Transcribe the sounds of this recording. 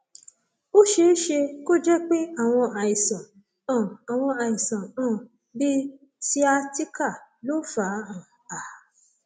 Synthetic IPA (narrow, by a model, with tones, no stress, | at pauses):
o˦ʃe˧˦ʃe˧ko˦d͡ʒɛ˦k͡pe˦a˦˨w̃ɔ̃˧a˨i˨sã˨ | ã˨a˨w̃ɔ̃˧a˨i˨sã˨ã˦˨ | bi˦ | si˦a˧ti˦ka˦˨lo˦fa˨˦ã˨ | a˨